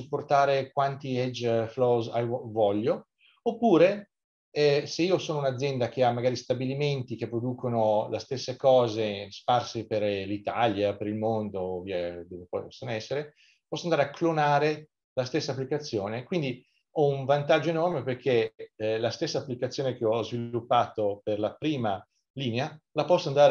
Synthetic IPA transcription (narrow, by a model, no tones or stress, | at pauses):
supːort̪aːɾekwant̪iɛd͡ʒflɔzajvvɔʎːo | opːuːɾe | ɛseiːosoːnounad̪zːjɛnd̪ak̟eamːaɡaːɾist̪abiliment̪ik̟epːɾod̪uːkʰonolʔest̪esːekɔːzesparseperlit̪aljapeɾilmond̪oviːad̪oːvepɔjpɔ̥sːonoɛsːeɾe | pɔsːond̪aɾeakːlonaːɾe | last̪esːapːlikat̪sːjoːnekwind̪i | ɔuɱvant̪ad͡ʒːoenɔrmeperkʰelast̪esːaːpːlikat̪sːjoːnek̟eɔzvillupːaːt̪operlapɾiːma | liːnealapɔsːoand̪aːɾ